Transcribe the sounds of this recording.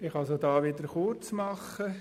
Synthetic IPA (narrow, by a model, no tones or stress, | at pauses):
ɪxɑlsodɑːʋɪd̪əɾχuɾt͡smɑχə